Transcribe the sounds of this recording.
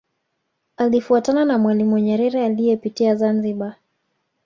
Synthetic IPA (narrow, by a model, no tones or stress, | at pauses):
alifuatananamwalimuwɲɛɾɛɾɛalijɛpitiazanziɓa